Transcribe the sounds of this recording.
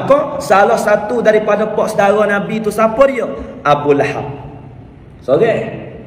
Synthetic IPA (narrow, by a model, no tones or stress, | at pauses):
kɔsalɔhsat̪udaɾipadəpɔʔsədaɾɔnabit̪usapɔrjɔabulaha̰k̚ | soɡɛ